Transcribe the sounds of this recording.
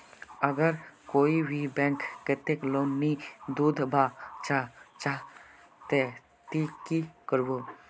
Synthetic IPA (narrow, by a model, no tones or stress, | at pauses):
əɡəɾkoːibʱibɛ̃ŋkːət̪ekloːmːid̪uːd̪ʱbat͡ʃat͡ʃa | t̪e | t̪ikikəɾbo